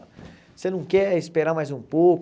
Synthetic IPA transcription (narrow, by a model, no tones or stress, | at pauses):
senɐ̃w̃kɛispeɾaɾmajzũpok